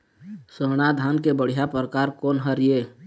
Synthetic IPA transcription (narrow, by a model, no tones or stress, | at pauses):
səːɽ̃ad̪ʱaːnkebəɽ̤ijapɾəkaːɾkoːnɦəɾije